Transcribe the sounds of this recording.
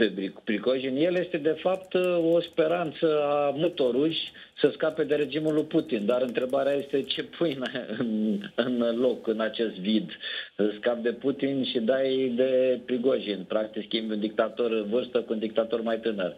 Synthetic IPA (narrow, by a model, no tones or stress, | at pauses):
pebɾipɾiɡoʒinje̞lje̞st̪e̞d̪e̞fap̚t̪ospe̞ɾant̪səamut̪o̞ɾuj | səskape̞d̪e̞ɾe̞d͡ʒimulujput̪ind̪aɾɨnt̪ɾe̞baɾeaje̞st̪e̞t͡ʃe̞pʰujnaɨnɨnlo̞kɨnat͡ʃe̞st̪vid̪əskap̚d̪e̞put̪inʃid̪ajd̪e̞pɾiɡoʒinpɾak̚t̪iskʲimbʲund̪ik̚t̪at̪o̞rvɨrst̪əkuund̪ik̚t̪at̪o̞rmajt̪ɨnər